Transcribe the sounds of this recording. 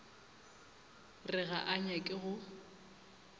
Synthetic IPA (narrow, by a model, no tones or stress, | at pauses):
rɪɣaʔaɲakʼɪɣʊ